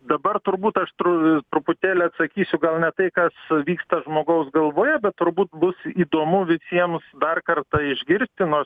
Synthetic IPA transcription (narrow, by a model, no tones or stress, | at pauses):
d̪ɐbɐrt̪ʊɾbuːt̪ɐʃt̪ɾʊt̪ɾʊpʊt̪ʲæːlʲɛɐt̪sɐkʲiːsʲʊɡɐlˠnʲɛt̪ɐɪkɐsʋʲiːkst̪ɐʒmoːɡɐʊsɡɐlˠʋoːjɛbʲɛt̚t̪ʊɾbuːt̪bʊsiːd̪oːmʊʋʲɪsʲiɛmsd̪ɐrkɐrt̪ɐɪʒʲɡʲɪɾʲsʲt̪ʲɪnoːrs